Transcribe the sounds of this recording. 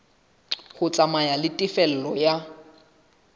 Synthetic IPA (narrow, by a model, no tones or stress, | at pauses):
χʊt͡sʼamajalɪtʼɪfɛl̩lɔja